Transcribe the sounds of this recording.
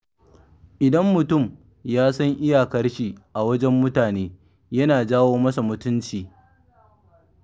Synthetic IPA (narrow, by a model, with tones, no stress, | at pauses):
ʔɪ˨dɐ˦mːʊ˨tʊ˦˨m | jaː˦sɐ˦ŋʔɪ˦ja˨kɐ˦rʃi˨ʔa˨wɐ˦d͡ʒɛ˦mːʊ˦taː˨neː˦ | jɐ˦naː˨d͡ʒaː˦woː˦mɐ˦sa˨mʊ˨tʊ˦nt͡ʃiː˨